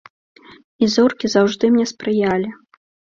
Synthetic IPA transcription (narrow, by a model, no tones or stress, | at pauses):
izɔrkʲizawʐd̪ɨmnʲɛspɾɨjalʲi